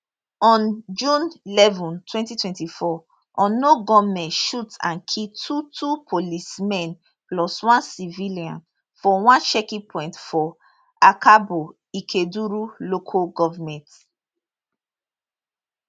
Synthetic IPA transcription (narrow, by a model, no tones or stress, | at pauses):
ɔ̃nd͡ʒũnilɛvɔ̃ntʰwɛ̃ntitwɛ̃ntifɔ | ʔɔ̃noɡɔmɛ̃ntʃutã̰nkʰitʰutʰupʰolismɛ̃n | plɔswãnsiviliãn | fɔwãnʃɛkĩpʰɔ̃ɪ̃ntfɔ | akʰabo | ikʰeduɹulokʰoɡɔvamɛ̃nt